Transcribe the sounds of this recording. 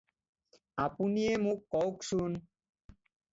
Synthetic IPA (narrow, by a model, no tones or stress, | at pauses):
apuniemũkːɔwksun